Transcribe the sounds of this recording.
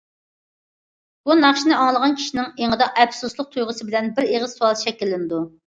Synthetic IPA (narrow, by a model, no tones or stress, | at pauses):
b̥unɑχʃinɪɑŋlˠəʁɑnkʲʰi̥ʃinɪŋeŋəd̪ɑɛpsuslˠəq̚t̪ʰujʁəsɨbɪlɛnbɪɾeʁəz̥suɑlˠsɨ̥ʃɛkʲːilːɪnɪd̪u